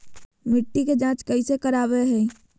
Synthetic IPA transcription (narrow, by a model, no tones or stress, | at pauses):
mɪʈːiked͡ʒãːt͡ʃkəisekəɾaːbeɦɛː